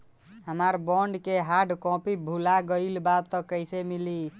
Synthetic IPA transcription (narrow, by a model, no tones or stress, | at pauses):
həmaɾbɔɳɖkeɦaɖkɔ̃pibʱulaɡəɪlbat̪ːɔkəjsemili